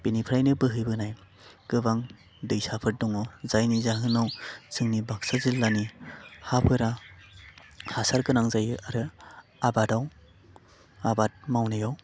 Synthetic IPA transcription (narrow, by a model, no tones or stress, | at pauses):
b̥inipʰɾajnɯbɯɦɯjbɯnaj | kɯbaŋ | dɯjsapʰɯt̚dɔŋɔzajnizaɦɯnawsʰɯŋnibak̚sazilːanihapʰɯɾa | hasaɾkɯnaŋzajɯʔaɾɯ | abadaw | abat̚mawnɯjaw